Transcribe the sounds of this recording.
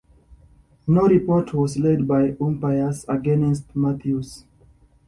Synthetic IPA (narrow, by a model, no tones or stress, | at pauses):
noɹipɔtʰwɔzled̚bajũmpajəsaɡɛnɛs̬tmat̪ʰjus